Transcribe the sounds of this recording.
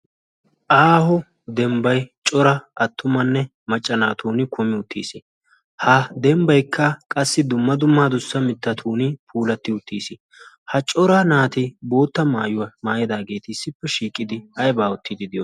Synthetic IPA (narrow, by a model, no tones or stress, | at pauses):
ʔaːhɔ | d̪ɛmbɐjt͡ʃʼɔɾɐɐt̪ːʊmɐnːɛ | mɐt͡ʃʼːɐnaːt̪ʰuːnɪkʰʊmɪʊt̪ʰːḭːsɪ | had̪ɛmbɐjkʰːɐkʼɐsːɪd̪ʊmːɐd̪ʊmːaːd̪ʊsːɐmɪt̪ːɐt̪ʰuːnɪpʰuːlɐt̪ːɪʊt̪ːḭːsɪ | hɐt͡ʃʼɔɾaːnaːt̪ɪbo̞ːt̪ːɐmaːjʊwɐmaːjɛd̪aːɡe̞ːt̪ɪɪsːɪpːɛʃiːkʼːɪd̪ɪhɐjbaːʊt̪ʰːɪd̪ɪd̪ɪjɔ